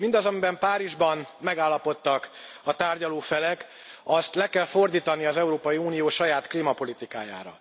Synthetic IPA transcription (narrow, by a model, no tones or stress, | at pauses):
mind̪ɒzɒmibɛmpaːɾiʒbɒnmɛɡaːlːɒpo̞t̪ːɒk | ɒt̪aːrɟɒloːfɛlɛk | ɒst̪lɛkɛlfo̞rd̪iːt̪ɒniɒzɛuɾoːpɒjiuːnijoːʃɒjaːt̪klimɒpo̞lit̪ika̰ːja̰ːɾɒ̰